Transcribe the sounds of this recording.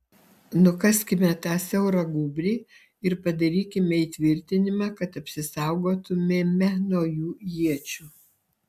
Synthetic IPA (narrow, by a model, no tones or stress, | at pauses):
nʊkɐsʲkʲɪmʲɛt̪ɑːsʲɛʊɾɐɡuːbʲɾʲiː | ɪɾpɐd̪ɐɾʲiːkʲɪmʲɛiːt̪ʲʋʲɪɾʲt̪ʲɪnʲɪmɑːkɐt̪ɐpʲsʲɪsɑˑʊɡoːt̪ʊmʲemʲɛnoːjuːjiɛt͡ʃʲuː